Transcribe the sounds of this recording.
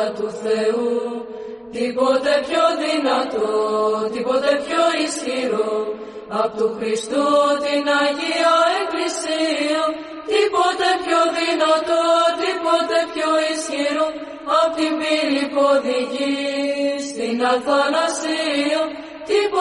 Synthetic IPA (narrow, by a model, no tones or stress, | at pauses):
t̪uθe̞u | t̪ipo̞t̪e̞pço̞ðinɐt̪ot̪ipo̞t̪e̞pço̞isçiɾo | ɐpot̪uxɾist̪ut̪inɐʝiɐeklisiɐ | t̪ipo̞t̪e̞pçoðinɐt̪ot̪ipot̪e̞pçoisçiɾo | ɐpot̪ivilipo̞ðiʝi | st̪inɐθɐnɐsiɐ | t̪ip